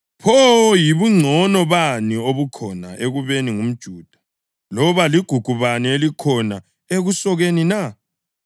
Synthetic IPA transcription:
pʰɔjiβuŋ͡ǀʱɔnɔβanioβukʰɔnaʔeɣuβeniŋum̩d̥ʒ̥ʱuːd̥ʱḁ | lɔβaliɡ̥ʱuɡ̥ʱuβanielikʰɔna | eɣusɔɣenina

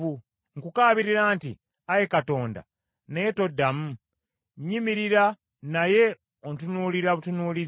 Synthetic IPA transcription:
u | ŋkukaːβiɾiɾaːnti | ajekato̞ːnda̰ | najeto̞dːamu | ɲimiɾiɾa | naje̞ | ontunuːliɾaβutunuːli

